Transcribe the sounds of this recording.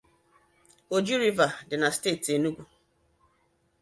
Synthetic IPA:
o˨d͡ʒi˦ɾi˦va˨dɪ˨na˨ste˦˨te˨nu˦ɡʷu˨

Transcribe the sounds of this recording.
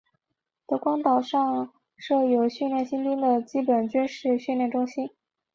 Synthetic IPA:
t̪ɤ˧˥kwɑ˥ŋt̪ɑ˨˩ʊʂɑ˥˧ŋ | ʂɤ˥˩jo˨˩ʊɕy˥˧nljɛ˥˩nɕi˥npi˥ŋd̪ə˨t͡ɕi˥pə˨˩nt͡ɕy˥nʂɻ̩˥˧ɕy˥˧nljɛ˥˩nʈ͡ʂʊ˥ŋɕi˥n

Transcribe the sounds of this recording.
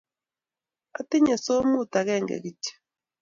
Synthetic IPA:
a̰˨ti˦ɲɛ˨so˦mu˦˨ta˨ɣɛ˦˨ŋɡɛ̰˨ɣi˦t͡ʃḁ˨

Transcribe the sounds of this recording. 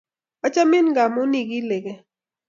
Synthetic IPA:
a˦t͡ʃa˦mɪ˦nɡa˨mʊ˦ni˨ɡi˦le˨ɡe˨

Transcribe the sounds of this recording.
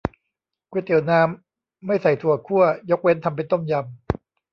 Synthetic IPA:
ku˧˦˥t̪i˨˩˦wnaː˦˥mː | a˥˩jsa˨˩jt̪ʰu˨˩ɐkʰu˥˩ɐjo˦˥k̚we˦˥nt̪ʰa˧mpe˧nt̪o˥˩mja˧m

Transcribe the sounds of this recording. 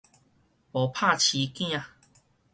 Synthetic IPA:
po˨˩pʰa˥˧˨t͡ɕʰi˨˦kĩ˦a˧

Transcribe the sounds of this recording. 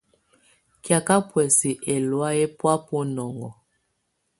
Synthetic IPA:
kja˨ka˦pwɛ˨si˨ʔɛ˨lwa˦jɛ˦pwa˦pɔ˦nɔ˨ŋɡɔ˨

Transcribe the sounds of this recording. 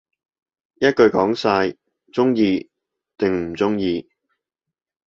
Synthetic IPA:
jɐ˥t̚kɵ˧ɥkɔː˨˥ŋsaː˧j | t͡sʊ˥ŋjiː˧ | t̪ɪ˨ŋm̩˨˩t͡sʊ˥ŋjiː˧

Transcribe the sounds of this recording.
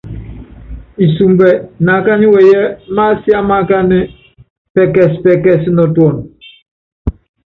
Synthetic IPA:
i˨su˨mbɛ˨na˨˦ka˦ni˦wɛ˨jɛ˦ma˦si˦a˦ma˦ka˦ni˦ | pɛ˦kɛ˦˨spɛ˦kɛ˦˨si˦nɔ˨twɔ˦˨n

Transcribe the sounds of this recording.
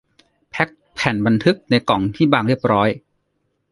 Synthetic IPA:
pʰɛ˦˥k̚pʰɛː˨˩˦nba˧nt̪ʰɯ˦˥k̚na˧jkɔ˨˩˦ŋt̪ʰiː˥˩baː˧˩ŋɾi˥˩əp̚ɾɔː˦˥j

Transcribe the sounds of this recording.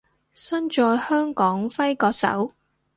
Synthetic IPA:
sɐ˥nt͡ʃɔː˧jhœː˥ŋkɔː˨˥ŋfɐ˥jkɔː˧k̚sɐ̰˨˥w

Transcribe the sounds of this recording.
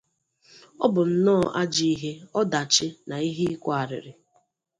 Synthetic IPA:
ɔ̰˦bʊ˨n̩˦nɔː˦˨ʔa˦d͡ʒi˦i˦ɦe˦ɔ˦da˨t͡ʃɪ˦na˨i˦ɦi˦i˦kʷa˨ɾɪ̰˨ɾɪ˨

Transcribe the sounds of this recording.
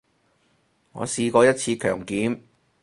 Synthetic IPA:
ŋɔ̰ː˨˧siː˧kɔː˧jɐ˥t̚t͡sʰiː˧kʰœː˨˩ŋkiː˨˥m

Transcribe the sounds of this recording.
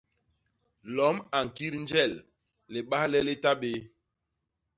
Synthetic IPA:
lɔ˨˦ma˨ŋ̩˨ki˦ɾn̩˦d͡ʒɛ˦˨lː | e˨ɓa˦hlɛ˦le˦ta˦ɓe˦

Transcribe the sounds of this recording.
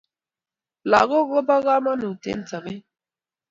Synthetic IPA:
la˨ɣʊ˦ɣo˦ba˦ɣa˦ma˦nu˨tḛ˨n̩˦ta˨me˦

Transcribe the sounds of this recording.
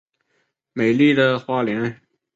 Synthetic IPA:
me˨˩ɪli˥˩d̪ə˨xwa˥ljɛ˧˥n

